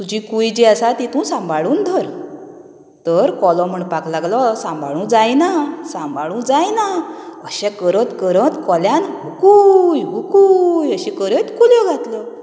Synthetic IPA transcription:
t̪ud͡ʑikujd͡ʑiəsat̪it̪ũsãmbʱaɭuːnd̪ʱəɾ | t̪əɾkɔlɔ̃m̤əɳpaklaɡlɔsãmbʱa̰ɭũd͡zajnasãmbʱaɭũd͡zajnaəɕɛ̃kəɾət̪kəɾət̪kɔljanɦukujɦukujəɕikəɾət̪kuljɔɡʱat̪lɔ

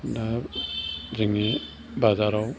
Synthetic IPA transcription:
da | ziŋni | bazaɾaw

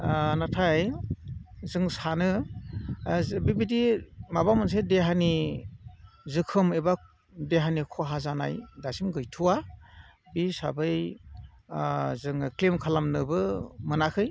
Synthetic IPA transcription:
natʰaj | zɯŋsanɯ | bibidimabamɯns̬edeɦani | zɯkʰɯmeba | deɦanikʰɔɦazana̰jdasimɡɯjtʰuwa | bisa̰bɯj | zɯŋklimkʰalamnɯbɯmɯnakʰɯj

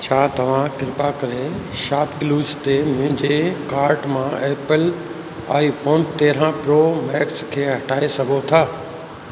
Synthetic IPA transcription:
t͡ɕʰaːt̪ɐʋ̤ãkɪɾɪpakɐɾeʃaːpkɪluːzt̪emʊɦɪ̃ɲd͡ʑekaːɾʈmãʔeːpəl | a̰ːifʰoːnt̪eːɾãpɾoːmɛːkskʰeːɦɐʈaːesɐɡʱot̪ʰaː

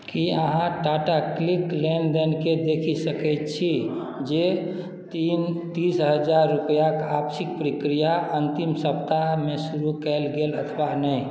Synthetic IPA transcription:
kiəɦãʈaʈakliklend̪enked̪ekʰisəkɛjt̪t͡ʃʰi | d͡ʒe | t̪int̪isɦəd͡ʒaɾːupəjakapsik̚pɾikɾijaʔənt̪imsəpt̪aɦmesuɾukɛlɡelət̪ʰbanəi

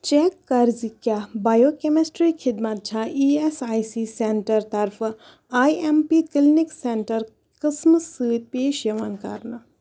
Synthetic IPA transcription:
t͡ʃɛːkːɐɾzikjaːbaːjoːkemɪsʈɾiːkʰɪd̪mat̪̚t͡ʃʰaiːɛsaːisiːseɳʈəɾt̪ɐɾfʰ | aːiɛmpiːkɪlnɪksɛɳʈəɾ | kəsmsɨːt̪̚peːʃjɐʋankɐ̰ɾna

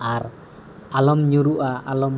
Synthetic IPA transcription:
ar | alɔmɲuɾuʔaʔalɔm

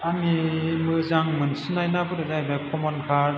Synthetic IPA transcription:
amimɯzaŋmɯnsɯnajnabɯɾɯzajbakʰɔmɔnkʰaɾ

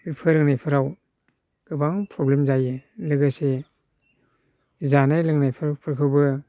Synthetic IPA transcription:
ipʰɯɾɯŋnajpʰɯɾaw | ɡ̥ɯbaŋpʰɾɔblemzajɯlɯɡɯse | zanajlɯŋnajpʰɯɾpʰɯɾkʰɯwbɯ

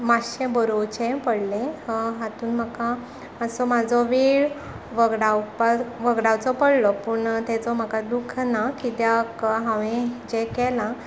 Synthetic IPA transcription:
maɕẽbəɾot͡ɕɛ̃pəɽlẽɦat̪uːnm̤əka | əsɔmad͡zʱɔʋeɭ | ʋəɡɽawpaʋəɡɽawt͡sɔpəɽlɔpuɳt̪ɛt͡sɔm̤akad̪ukʰnakit̪jakɦãʋẽd͡ʑɛkɛlã

